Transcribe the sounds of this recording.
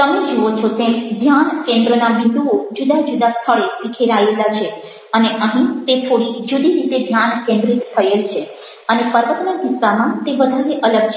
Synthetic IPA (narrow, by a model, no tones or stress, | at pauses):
t̪əmed͡ʒeot͡ʃʰot̪ed̪ʱjankẽnd̪ɾənaʋind̪uod͡ʒud̪ad͡ʒud̪ast̪ʰəɭeʋikʰeɾaelat͡ʃʰe | əneʔəɦĩt̪et̪ʰoɽid͡ʒud̪iɾit̪ed̪ʱjankẽnd̪ɾit̪ːʰəelt͡ʃʰe | ənepəɾʋət̪naɡ̪isamãt̪eʋəd̪ʱaɾeʔələɡt͡ʃ